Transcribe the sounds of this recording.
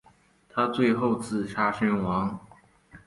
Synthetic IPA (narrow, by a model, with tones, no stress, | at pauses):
t̪ʰa˥t͡swe˥˧ɪxo˥˧ʊt͡sɹ̩˥˩ʂʰa˥˩ʂə˥nwɑ˧˥ŋ